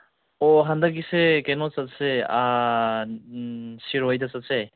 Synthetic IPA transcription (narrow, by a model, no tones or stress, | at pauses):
ɔɦandaɡ̬isekenɔsatsea | siɾɔjdasatse